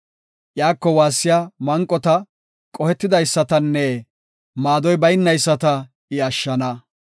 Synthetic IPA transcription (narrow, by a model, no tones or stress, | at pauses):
ʔjaːkːɔwaːsːɪjaːmɐŋkʼːɔt̪ɐ | kʼɔhɛt̪ːɪd̪ɐjsːɐt̪ɐnːɛ | maːd̪ɔjbɐjnːɐjsːɐt̪ɐ | ɪɐʃːɐnɐ